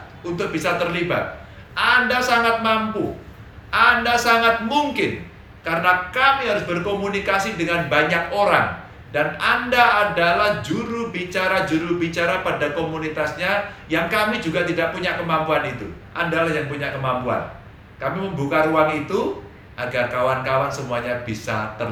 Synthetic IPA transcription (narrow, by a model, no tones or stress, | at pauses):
unt̪ʊk̚b̥isat̪ərliba̰t̪̚ | ʔandasaŋat̪̚mampu | ʔandasaŋat̪̚muŋkɪn | kaɾənakamiɦaɾʊsbərkomunikasidəŋanbaɲak̚oɾa̰ŋ | danandaːdalahd͡ʒuɾubit͡ʃaɾad͡ʒuɾubit͡ʃaɾapadakomunit̪asɲa | jaŋkamid͡ʒuɡat̪idaʔpuɲakəmampuanit̪ṵʔandalahjaŋpuɲakəmampua̰n | kamiməmbukaɾuaŋit̪u | ʔaɡarkawankawansəmuaɲab̥isa̰t̪ə